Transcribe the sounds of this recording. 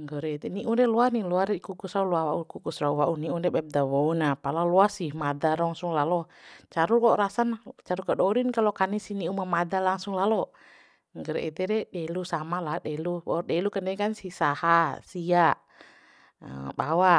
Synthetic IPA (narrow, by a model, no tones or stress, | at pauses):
ŋɡɔɾɛit̪ɛniʔundɛluaniluarɛkukusɾaulɔawaukukusɾauwaʔuniundɛbɛp̚dawɔunapalalɔasimadaɾɔŋsuŋlalɔt͡ʃaɾulɔɾasant͡ʃaɾukaɗɔɾinkalɔkanisiniumamadalaŋsuŋlalɔ | ŋɡɔɾɛ̰ʔit̪ɛɾɛɗɛlusamaladɛluwdɛlukanɛkansisahasia | bawa